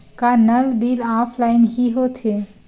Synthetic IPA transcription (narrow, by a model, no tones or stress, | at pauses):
kanəlbiːlaːpʰlaːɪnɦiɦot̪ʰe